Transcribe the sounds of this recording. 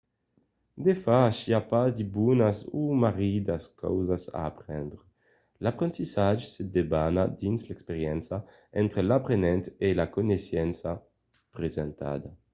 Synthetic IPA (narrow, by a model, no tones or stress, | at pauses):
d̪efaːʃiapazd̪ibunasumaʁid̪askɔ̰wzasa̰ːpʁɛnd̪ɾe | lapɾẽnt̪isad͡ʒsed̪ebanad̪inslɛkspeʁjɛnsa | ɛnt̪ɾelapɾenɛnt̪elakonesjɛnsa | pɾezɛnt̪a̰d̪a